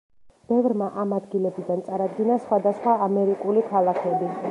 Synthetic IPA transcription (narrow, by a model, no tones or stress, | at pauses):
b̥ɛvɾmaʔamad̪ɡilɛbid̪ant̪sʼaɾad̪ɡinasχwad̪asχwaːmɛɾikʼulikʰalˠakʰɛbi